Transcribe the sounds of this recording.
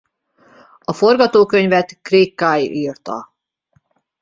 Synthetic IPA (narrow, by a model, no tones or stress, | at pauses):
ɒfo̞rɡɒt̪oːkø̞ɲvɛt̪kreːkːajirt̪ɒ̰